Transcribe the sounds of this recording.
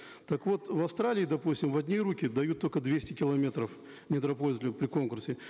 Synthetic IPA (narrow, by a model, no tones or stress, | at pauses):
t̪ɐkvo̞t̪vɐfst̪ɾalʲɪːd̪ɐpusʲtʲɪmvɐdʲnʲiɾukʲɪd̪ɐjut̪ːo̞lʲkəd̪vʲesʲtʲɪkʲɪlˠɐmʲe̞t̪ɾəf | nʲɪt̪ɾɐpoɪzʲlʲɪpɾʲɪko̞nkʊrsʲɪ